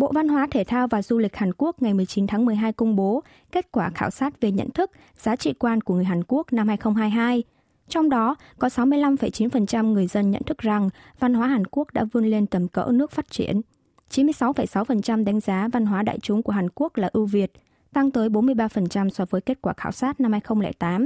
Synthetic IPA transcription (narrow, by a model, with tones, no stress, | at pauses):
ɓo̰˧˨va˧nɦwaː˨˦t̪ʰe˧˩t̪ʰaː˧wvaː˨˩zu˧lï˨˩k̟̚haː˨˩nku˦˥ək̚ŋa˨˩jmɨ˨˩əjt͡ɕi˨˦nt̪ʰaː˨˦ŋmɨ˨˩əjɦaː˧jkʊ˧wŋ͡mɓo˨˦ | ke˦˥t̚kwaː˧˩xaː˧˩wsaː˦˥t̚ve˨˩ɲə̰˧˨nt̪ʰɨ˦˥k̚ | z̥aː˨˦t͡ɕḭ˧˨kwaː˧nku˧˩əŋɨ˨˩əjɦaː˨˩nku˦˥ək̚na˧mhaː˧jxə˧wŋ͡mɦaː˧jɦaː˧j | t͡ɕɔ˧wŋ͡mɗɔ˨˦ | kɔ˨˦sa˨˦wmɨ˧əjla˧mfə˧˩jt͡ɕi˨˦nfə˨˩nt͡ɕa˧mŋɨ˨˩əjzə˧nɲə̰˧˨nt̪ʰɨ˦˥k̚za˨˩ŋva˧nɦwaː˨˦ɦaː˨˩nku˦˥ək̚ɗa̰ː˧˥vu˧ənle˧nt̪ə˨˩mkə̰˧˥nɨ˦˥ək̚faː˦˥t̚t͡ɕḭ˧˩ən | t͡ɕi˨˦nmɨ˧əjsa˨˦wfə˧˩jsa˨˦wfə˨˩nt͡ɕa˧mɗa˨˦ŋ̟zaː˨˦va˧nɦwaː˨˦ɗa̰ː˧˨jt͡ɕʊ˨˦ŋ͡mku˧˩ɦaː˨˩nku˦˥ək̚laː˨˩ʔɨ˧vi˨˩ət̚ | t̪a˧ŋt̪əː˨˦jɓo˨˦nmɨ˧əjɓaː˧fə˨˩nt͡ɕa˧msɔ˨˧vəː˨˦jke˦˥t̚kwaː˧˩xaː˧˩wsaː˦˥t̚na˧mhaː˧jxə˧wŋ͡mlɛ̰˧˩jt̪aː˨˦m